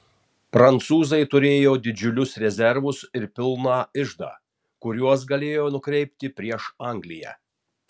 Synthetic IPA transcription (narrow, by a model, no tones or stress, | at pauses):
pɾɐnt̪suːzɐɪt̪ʊɾʲeːjoːd̪ʲɪd͡ʒʲʊlʲʊsɾʲɛzʲɛɾʋʊsɪɾpʲɪlˠnɑːɪʒd̪ɑ̰ː | kʊɾʲuɔs̬ɡɐlʲeːjoːnʊkɾʲɛɪpʲt̪ʲɪpʲɾʲiɛʃɑˑŋɡlʲɪjæ̰ː